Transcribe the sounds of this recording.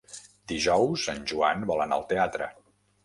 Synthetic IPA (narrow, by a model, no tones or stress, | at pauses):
d̪iʒɔwsanʲʒuanbɔləna̰lˠt̪eat̪ɾə̰